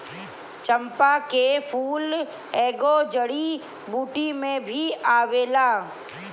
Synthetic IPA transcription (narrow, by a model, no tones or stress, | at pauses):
t͡ʃə̃mpakefʰuːl | eːɡod͡ʒəɽi | buːʈimẽbʱiaːʋeːlaː